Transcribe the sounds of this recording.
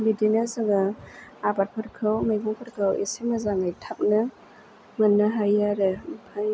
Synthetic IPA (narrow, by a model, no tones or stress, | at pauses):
bidinazaɡaabat̚pʰɯɾkʰawmajɡuŋpʰɯɾkʰawḛsimazaŋajtʰap̚nɐ | ŋɐnːaɦajaɾempʰaj